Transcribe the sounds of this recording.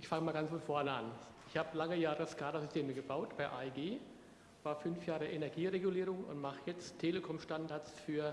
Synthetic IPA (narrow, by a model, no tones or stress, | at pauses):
ʔɪçfaŋəmaːlɡant͡ssfɔnfɔɐnəa̰n | ɪçhaːbəlaŋəjaːʁəskʰaːdazʏstʰeːməɡəbaʊtb̥aɪʔa̰iɡeː | v̥aːɐfʏnfjaːʁəʔenɛɐɡiːʁeɡuliːʁʊŋʊ̰ntmaχəjɛt͡sttʰːeːləkʰɔmʃtandaɐsfyːɐ